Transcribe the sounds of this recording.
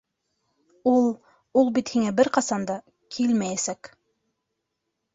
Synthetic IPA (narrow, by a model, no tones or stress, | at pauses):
ulˠ | ulˠbit̪hiŋæbɘɾqɑsɑnd̪ɑ | kʰilmæjæsæk